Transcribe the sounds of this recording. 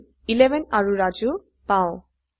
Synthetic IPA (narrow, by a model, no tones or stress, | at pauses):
ilebɛnaɹuɾad͡ʑu | pãõ